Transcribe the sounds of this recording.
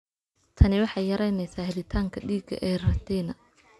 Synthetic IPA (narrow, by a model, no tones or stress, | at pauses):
t̪ʰɐnɪwɑħɑjjɐɾɛjnɛjsaːhɛðɪt̪ʰaːŋkʰɐɖiːɡɐ̰ʔɛːrɐt̪ʰɛnɐ